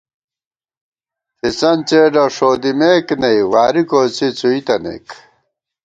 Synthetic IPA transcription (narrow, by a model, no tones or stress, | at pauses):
fisɐnt͡ɕeːɖɐʂoːd̪imeːknɐiwaːɾikoːt͡sit͡suit̪ɐnḛk